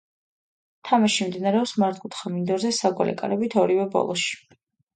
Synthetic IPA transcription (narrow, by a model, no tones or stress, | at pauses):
t̪ʰamaʃimd̪inaɾɛɔpsmaɾt̪ʰʼkʼut̪χamind̪ɔɾzɛsaɡwa̰lɛ̰kʼaɾɛbit̪ʰɔɾivɛbɔ̰lˠɔʃi̥